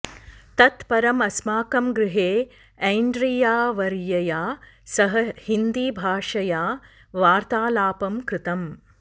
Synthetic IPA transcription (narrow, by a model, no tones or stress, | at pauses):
t̪ɐt̪pɐɾɐmɐsmaːkɐmɡɾɪɦeː | ɐjɳɖɾijaːʋɐɾjɐjaːsɐɦɐhind̪iːbʱaːʂɐjaː | ʋaːɾt̪aːlaːpɐmkɾɪt̪ɐm